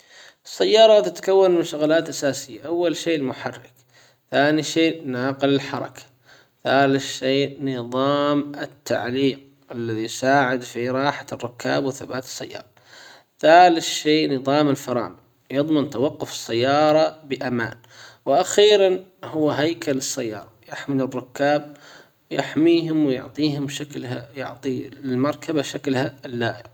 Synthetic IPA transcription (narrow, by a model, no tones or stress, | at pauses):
ʔɑsːajːɑːɾˤɑt̪ɪt̪ḁkawːanmɪnʃʊɣlaːt̪ʔasaːsɪjːaʔawːalʃeːʔɪlmʊħɑrːɪk | θaːniʃeːnaːqɪlɪlħɑɾˤɑ̰kḁ | θaːlɪθʃeːʔnɨðˤɑːmɪt̪ːa̰ʕliːq̚ | ʔalːaðijsaːʕɪd̪fiɾˤɑːħḁrˤːʊkːa̰ːbwɪθabaːt̪ɪ̥sːa̰jːɑ̰ːɾˤɑ | ðaːlɪθʃeːʔnɨðˤɑːmɪlfɑɾˤɑ̰ːn | jɨðˤmant̪awɑqːʊfɪ̥sːajːɑːɾˤɑbɪʔama̰ːn | wɪʔaxiːɾanhʊwːɦajkalɨsːajːɑ̰ːɾˤɑjɪħmɪlɪrːʊkːaːb̚ | wjɪħmiːɦʊmwɪjʊ̰ʕt̪ˤiːhʊmbʃaklajʊ̰ʕt̪ˤilmɑɾˤkʰabaʃaklhalːaːʔɪ